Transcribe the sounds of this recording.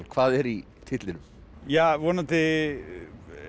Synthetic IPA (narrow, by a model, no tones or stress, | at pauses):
lkʰvaːðɛɾi | t̪ʰɪt̪lɪnʏmjaːʋɔnat̪ɪ